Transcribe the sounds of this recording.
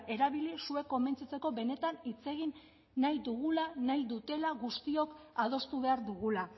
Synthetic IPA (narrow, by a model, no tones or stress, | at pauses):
e̞ɾaβ̞ilisue̞ko̞me̞nt͡sit͡se̞ko̞βe̞ne̞t̪anit͡se̞ɣ̞inː | ajd̪uɣ̞ulanajd̪ut̪e̞laɣust̪io̞kaðo̞st̪uβ̞e̞aɾðuɣ̞ula